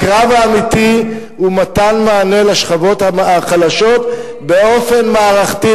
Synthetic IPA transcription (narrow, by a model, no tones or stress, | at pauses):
kʁavaːmit̪i | umat̪anmaːne̞laʃχavo̞t̪aaχadaʃo̞t̪ | be̞o̞fe̞nmaːʁaχti